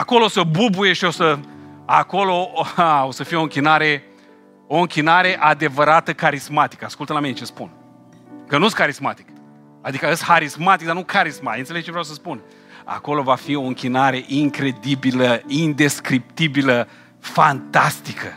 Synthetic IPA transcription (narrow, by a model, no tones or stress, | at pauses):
ako̞loosəbubuje̞ʃio̞səako̞loo̞səfijeo̞ɨŋkʲinaɾe̞ | o̞ɨŋkʲinaɾe̞ʔad̪e̞vəɾat̪əkaɾismat̪i̥kəaskult̪əlaminet͡ʃe̞spun | kənuest̪ʲkaɾismat̪i̥k | ad̪ikəəshaɾismat̪ik̚d̪aɾnukʰaɾismat̪eɨnseleɡ̚t͡ʃevɾawsəspun | a̰ko̞lo̞vafio̞ɨŋkʲinaɾe̞ʔiŋkɾe̞d̪ibiləind̪e̞skɾip̚t̪ibilə | fant̪ast̪ikʰə